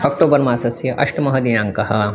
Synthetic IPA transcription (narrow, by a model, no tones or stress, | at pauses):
ɔk̚ʈoːbɐɾmaːsɐsjɐʔɐʂʈɐmɐɦɐd̪ijãːŋkɐhɐ